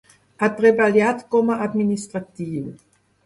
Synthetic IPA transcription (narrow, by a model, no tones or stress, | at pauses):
at̪ʁebaljat̪kɔmaʔad̪minist̪ʁat̪iːv